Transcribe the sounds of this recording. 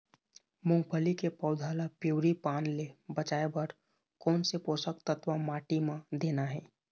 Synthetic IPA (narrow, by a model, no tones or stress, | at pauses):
mʊ̃ŋɡpʰəlikepəʊd̪ʱaːlapuːɾipaːnlebət͡ʃaːebəɾ | kɔːnsepoːsəkt̪ət̪ʋamaːʈimãd̪eːnaɦɛː